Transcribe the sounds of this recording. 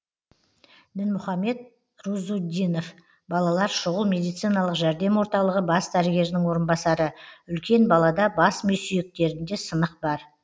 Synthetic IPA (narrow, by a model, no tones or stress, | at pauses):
d̪ɪnmʊχɑme̞t̪̚ | ɾuzud̪ʲino̞f | bɑlˠɑlˠɑɾʃʊʁəlˠmʲe̞d̪ijt̪sɨjnɑlˠəqʒæɾd̪e̞mwo̞ɾt̪ɑlˠəʁəbɑsd̪æɾɪɡʲe̞ɾd̪ɪŋwo̞ɾənbɑsɑɾəʏlkʲe̞nbɑlˠɑd̪ɑbɑsmɵsijek̚t̪e̞ɾɪnd̪e̞sənəq̚bɑɾ